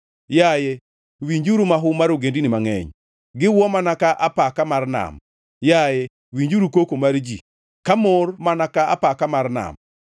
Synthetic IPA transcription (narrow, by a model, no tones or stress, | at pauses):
jajɛ | wiɲd͡ʒuɾumaɦʊmaɾoɡendinɪmaŋɛ̰ɲ | ɡɪwɔmanakaʔapakamarna̰m | jajɛ | wiɲd͡ʒuɾukokomaɾd͡ʒi | kamormanakaa̰pakamarna̰m